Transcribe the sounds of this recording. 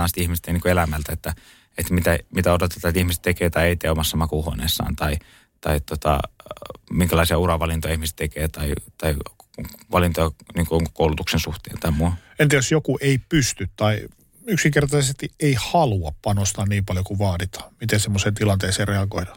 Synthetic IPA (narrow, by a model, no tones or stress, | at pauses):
ɑːnst̪ihmist̪eniŋkoelæmælt̪æet̪ːæ | et̪mit̪æmit̪æot̪ot̪e̥t̪ːɑt̪ihmist̪t̪ekeːt̪ɑieit̪eːomɑsːɑmɑkuho̰nḛsːɑ̰ːnt̪ɑi | t̪ɑit̪ot̪ɑ̰ | miŋkælɑˑisiɑurɑʋɑlint̪ojɑihmise̥t̪t̪ekeːt̪ɑit̪ɑi | ʋɑlint̪ojɑniːŋkoŋkoulut̪uksensuht̪ḛːnt̪ɑimuɑ | ent̪iæsjokuʔeipyst̪yt̪t̪ɑi | yksiŋkert̪ɑsesest̪ieihɑluɑppːɑnost̪ɑːnniːmpɑljokuʋɑːdit̪ɑ̥ːmit̪ensemːoseːnt̪ilɑnt̪eːseːreɑɡoidɑ̥